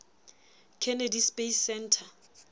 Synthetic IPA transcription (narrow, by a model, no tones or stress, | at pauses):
kʰɛnɛdispʼesɛntʰa